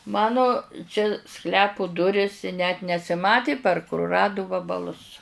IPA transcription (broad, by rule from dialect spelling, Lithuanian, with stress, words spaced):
ˈmɑːnʊ t͡ʃʲɛ ˈsklʲæːpʊ ˈdʊrʲɪs ɪ nʲɛt nʲɛsʲɪˈmɑːtʲɪ pɐr kʊrʊˈrɑːdʊ ʋɐbɐˈlˠʊs